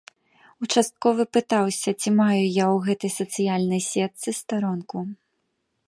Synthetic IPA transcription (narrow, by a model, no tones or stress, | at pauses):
ut͡ʂast̪̚kɔvɨpɨt̪awsʲɐt͡sʲimajujawɣɛt̪ɐjsɐt̪sɨjalʲnɐjsʲɛt̪sɨst̪aɾɔnku